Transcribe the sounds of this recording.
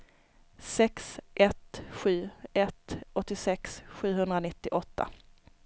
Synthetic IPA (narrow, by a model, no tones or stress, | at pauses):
sɛksʔɛt̪ɧʉ̟ːɛt̪ɔt̪ːɪsɛksɧʉ̟ːɦɵnd̪ɾanɪt̪ːɪʔɔt̪ʰːa̰